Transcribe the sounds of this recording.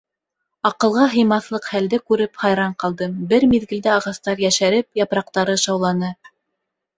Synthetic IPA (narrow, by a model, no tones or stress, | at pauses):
ɑqɤ̆lˠʁɑɦɤ̆jmɑθlˠɤqχæld̪ɘkʉɾɘpχɑjɾɑɴqɑlˠd̪ɤmbɘɾmiðɡɘ̆ld̪ɘɑʁɑst̪ɑɾjæʃæɾɘp̚jɑpɾɑq̚t̪ɑɾɤʃɑwlˠɑnɤ